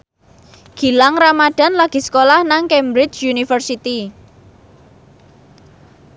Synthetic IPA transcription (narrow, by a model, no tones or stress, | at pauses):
ɡ̥i̤laŋramaɖ̥a̤nlaɡ̥i̤sə̥kolahnaŋkɛmbɾɪt͡ʃunifərsit̪i